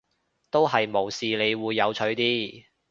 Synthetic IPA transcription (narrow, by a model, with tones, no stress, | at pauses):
t̪o˥wɦɐ˨jmo˨˩wsiː˨le˨˧jwuː˨˧jːɐ˨˧wt͡ʃʰɵ˨˥ɥt̪iː˥